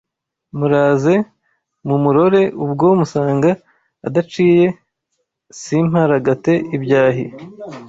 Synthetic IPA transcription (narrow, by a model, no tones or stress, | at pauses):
muɾaːze̞ | mumuɾo̞ɾe̞ubɡomusaːŋɡaː | dat͡ʃiːje̞ | sim̥haɾaɡate̞ʔibjaːɦi